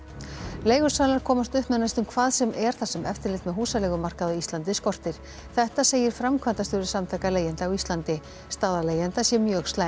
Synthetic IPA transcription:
leːjɣʏ̥salaɾ̥kʰɔːmast̪ʏhpmɛnːast̪ʏmkʰvaːðsɛmʔɛɾ̥θasɛmɛft̪ɪɾlɪht̪mɛðɦuːsalɛɣʏmar̥kaðaist̪lant̪ɪskɔr̥t̪ɪɾ̥ | θɛht̪aseːjɪɾ̥fɾamkʰvant̪ast̪ʏːɾʏsamθʰɛkaleːjɪnt̪awist̪lant̪ɪ | st̪aːðaleːjant̪asjɛmjœːɣst̪la

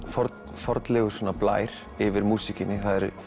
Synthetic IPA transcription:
fɔɾt | fɔɾt̪lɛɣʏ̥sɔːnapla̰ːjɾ̥ | ɪvɪɾmuːsicɪnːɪθaðɛɾ

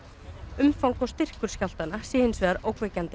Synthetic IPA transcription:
ʏmfawŋkawst̪ɪr̥kʏɾ̥scawl̥t̪anasiːhɪnsvɛːðaɾoːwkvɛːcant̪ɪ

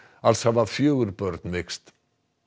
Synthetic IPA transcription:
alshavafjœwɾpœɾt̪nmɪkst̪

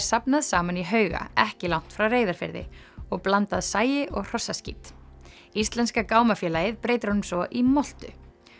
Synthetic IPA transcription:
sapnaðsaːmaniɦœːɥɣa̰ɛhcɪlawn̥t̪fɾawreːjðaɾ̥fɪ̰ɾðɪ̰ | ɔɣplant̪aðsaːjɪʔɔɣr̥ɔsːascḭt̪ | ist̪lɛnskakaːwmafjɛːlajɪðpɾeːjt̪ɪɾ̥hɔnmsɔʔimɔl̥t̪ʏ̰

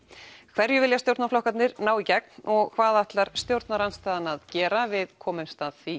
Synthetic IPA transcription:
kʰv̥ɛɾjʏvɪljat̪jowɾt̪naɾflɔhkat̪nɪɾnaːwicɛk̚nɔɣkʰv̥aːðaht̪laɾ̥st̪jowɾt̪naɾanst̪aːðanaðcɛːɾavɪðkʰɔːmɪmst̪aːðθi

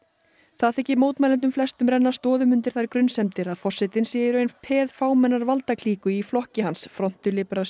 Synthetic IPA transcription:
θaðθɛhcːɪmoːwt̪majlɛnt̪̬ʏmflɛst̪ʏmɾɛnːast̪ɔːðʏmʏnt̪ɪɾ̥θajɾkɾʏnsɛmt̪ɪɾaðfɔr̥sːɪt̪ɪnsjɛjɪɾʏejnpʰɛːðfaːwmɛnːaɾvalt̪akʰl̥iːkʏiflɔhcɪhansfɾɔn̥t̪ʏlɪpɾa

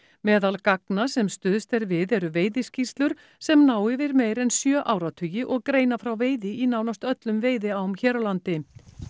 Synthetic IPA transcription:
mɛːðalkaknasɛmst̪ʏːðst̪ɛɾvɪðɛɾʏveːjðɪscist̪lʏɾ̥ | sɛmnaːwɪvɪɾmeːjɾɛnsjœːʔaːwɾat̪ʰʏːjɪʔɔɣkɾeːjnafɾawveːjðɪinaːwnast̪œt̪lʏmveːjðɪawmçɛːɾalant̪ɪ

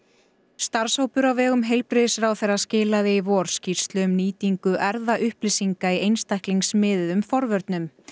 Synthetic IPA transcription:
st̪aɾ̥showpʏɾawvɛːɣʏmɦejlpɾɪðɪsɾaːwθerːascɪːlaðɪivɔːɾ̥scir̥st̪lʏmniːt̪iŋkʏʔɛɾðaʔʏhplɪsiŋkaiejnst̪ajhkliŋsmɪːðɪðʏmfɔɾvœɾt̪nʏm

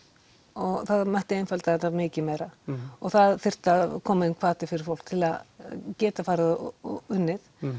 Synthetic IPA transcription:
ɔɣθaðmɛht̪ɪejnfɛlt̪aθɛt̪ːamɪːcɪmɛɾaɔɣθaðθɪr̥t̪akʰɔːmaɪnkʰvaːt̪ɪfɪɾɪ̥ɾfowl̥kt̪ʰɪlaðcɛːt̪afaːɾɪðʏnːɪθ

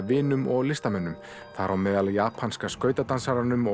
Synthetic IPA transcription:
vɪːnʏmʔɔɣlɪst̪amɛnːʏm | θaɾʔawmɛːðaljaːpʰanskaskœːɥt̪at̪ansaɾanʏmɔ

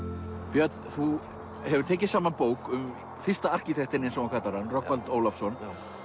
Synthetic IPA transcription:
pjœt̪nθu | hɛvʏ̥t̪ʰɛːc̬ɪ̥saːmanpoːwkʏm | fɪr̥st̪aar̥ciθʰɛht̪ɪnːɪnsawakʰat̪aɾanrɔhkpalt̪oːwlafsɔn

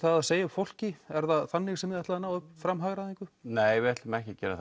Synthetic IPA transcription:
θaaðseːjaʏpfowl̥cɪɛɾðaθanːɪxsɛmɪðɛht̪aðanaːwʏpfɾamɦaɣɾaðĩŋkʏneːjvɛt̪lmɛhcɪcɛːɾa

